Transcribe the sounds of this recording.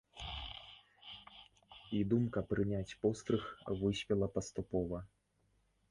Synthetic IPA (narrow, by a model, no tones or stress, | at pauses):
id̪umkɐpɾɨnʲat͡sʲpɔst̪ɾɨxvɨsʲpʲɛlˠɐpɐst̪upɔvɐ